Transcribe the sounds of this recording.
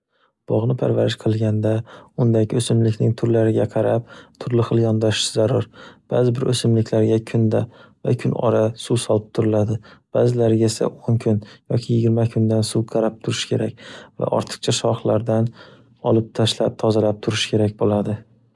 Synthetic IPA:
b̥ɒʁnɪpʰa̰ɾvaɾɪʃqʰɨlˠɡʲand̪aʊnd̪aɡʲɪɵsɪmlɪkʲnɪŋt̪ʰʊɾlaɾɪɡʲaqʰɑɾap̚t̪ʰʊɾlɪχɨlˠjɒnd̪aʃɪzaɾʊɾb̥azɪbɪɾʔɵsɪmlɪkʲlaɾɡʲakʰʊnd̪ava̰kʲʰʊnɒ̰ɾasuwsɒlˠɪp̚t̪ʰʊɾɪlad̪ɪb̥aːzɪlaɾɡʲesa̰ʔoŋkʲʰʊnjɒkʲʰɪjɪɡʲɪɾmakʰʊnd̪ansuqʰɑɾap̚t̪ʰʊɾɪʃkʲʰe̞ɾak̚ʲva̰ʔɒ̰ɾt̪ʰɨ̥qt͡ʃʰaʃɒχlˠaɾd̪an | ɒlˠɪp̚t̪ʰaʃlap̚t̪ʰɒzalap̚t̪ʰʊɾɪʃkʲʰe̞ɾak̚ʲbolad̪ɪ

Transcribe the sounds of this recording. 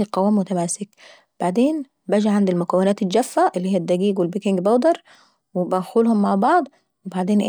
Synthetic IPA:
iqɑwːæːmːʊt̪æmæːsɪk | b̥aʕd̪eːn | bæːd͡ʒaʕand̪ɪlmʊkæwːɪnæːt̪ɪld͡ʒæfːæʔɪlːiːhijːæd̪ːæɡiːɡwɪlbikɪŋɡbawd̪ɑɾˤ | wɪbæxuːlhʊmːaʕbɑʕd̪ˤ | wɪbaʕd̪eːnʔ

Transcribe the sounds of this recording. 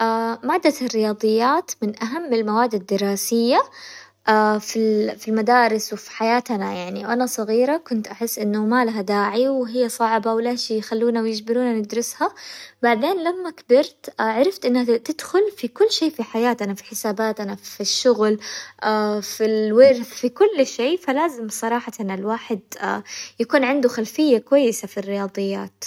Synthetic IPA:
ʔaːmaːd̪ːarːɪjɑːd̪ˤɨjːaːt̪mɪnʔaɦamːɪlmawaːd̪ːad̪ːɪɾˤɑːsɪjːa | ʔaːfifilmad̪aːɾɪswɪfi̥ħajaːt̪anajaʕniwʔanasˤɑɣiːɾakʊnt̪ʔaħɪsːʔɪnːamaːlaɦad̪aːʕiwɪɦɪjːasˤɑʕbawlaːʃijxalːuːnawjɪd͡ʒbɪɾuːnanɪd̪ɾʊshabaʕd̪eːnlamːakbɪɾt̪ʕaɾˤɑft̪ʔɪnːhat̪ɪd̪̥xʊlfikʊlːʃeːfiħajaːt̪ʔanafi̥ħɪsaːbaːt̪ʔanafiʃːʊɣlʔafilwɪɾfikʊlːʃeːfalaːzɪmsˤɑɾˤɑːħɑt̪analwaːħɪd̪a̰jakuːnʕɪnd̪ʊxalfɪjːakwajːɪsafirːɪjɑːd̪ˤɨjːa̰ːt̪

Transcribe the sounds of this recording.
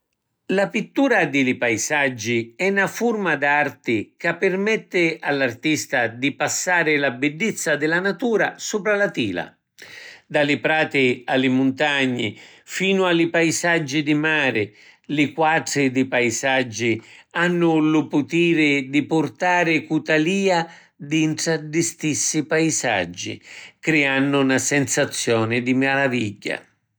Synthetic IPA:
lapit̪ːuːɾad̪ɪlɪpajzad͡ʒːiɛnːafʊrmad̪art̪ɪkapːɪrmɛt̪ːɪalːart̪ist̪ad̪ipasːaːɾɪlabɪdːit̪sːad̪ɪlanat̪uːɾasuːpɾalat̪iːla̰ | d̪alɪpɾaːt̪ɪalːɪmʊnt̪aɲːɪ̰fiːnʊalɪpajzad͡ʒːid̪imaːɾɪlɪkwaʈɾɪd̪ɪpajzad͡ʒːianːʊlʊpʊt̪iːɾɪd̪ipʊrt̪aːɾɪkut̪aliːa | d̪iɳʈ̪ɾad̪ist̪isːipaiza̰d͡ʒːḭkɾɛanːʊnasɛnsat̪sːjɔːnɪd̪imaɾaviʎːa̰

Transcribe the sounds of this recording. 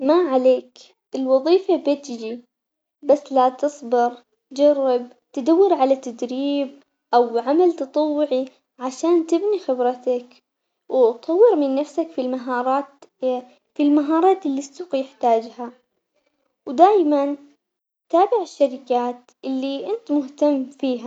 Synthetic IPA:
maʕaleːk | ʔɪlwɑðˤiːfabɪt̪d͡ʒi | basːlat̪ɨsˤbɨɾ | t̪d͡ʒarːɪb̚ | t̪ɪd̪awːɪɾʕalat̪ːad̪ɾiːb̚ | ʔawʕamalt̪ɨt̪ˤɑwːɪʕi | ʕaʃaːnt̪ɪbnixɪbɾɑt̪ak | wt̪ˤɑwːɪɾmɪnːafsakfilmaɦɑːɾˤɑːt̪ | filmaɦɑːɾˤɑːt̪ɪlːisːuːqjɪħt̪aːd͡ʒha | wd̪aːjman | t̪aːbɪʕɪʃːaɾɪkaːt̪ | ʔɪlːiʔɪnt̪mʊht̪amːfiːɦa

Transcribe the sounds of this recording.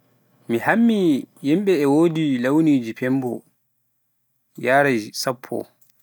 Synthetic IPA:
mihamːijimɓɛːwoːdilawniːd͡ʒipʰɛmbɔ | jaːɾasapʰːɔ̰

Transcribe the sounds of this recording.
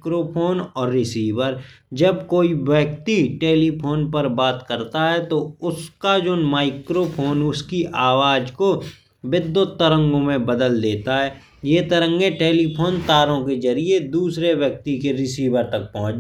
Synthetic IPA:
kɾoːpʰoːnɔːɾːɪsiːʋəɾ | d͡ʒəbkoːiʋjəkt̪iʈeːlipʰoːnpəɾbaːt̪kəɾt̪aɦɛt̪oʊskad͡ʒoːnmaːɪkɾoːpʰoːnʊskiʔaːʋaːd͡ʒko | ʋɪd̪ːʊt̪ːəɾə̃ŋɡõmẽbəd̪əld̪eːt̪aɦɛː | jeːt̪əɾə̃ŋɡeʈeːlipʰoːnt̪aːɾõkezɐɾied̪uːsɾeʋjək̚t̪ikeɾɪsiːʋəɾt̪ɐk̚pɐɦʊ̃t͡ʃ

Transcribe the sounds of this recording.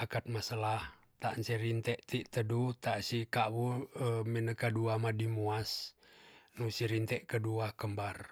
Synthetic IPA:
akat̪̚masalah | t̪aʔnsiɾint̪ɛʔt̪iʔt̪ədut̪aʔsikaʔwuəminəkaduamadimuas | nusiɾint̪ɛʔkəduakəmbar

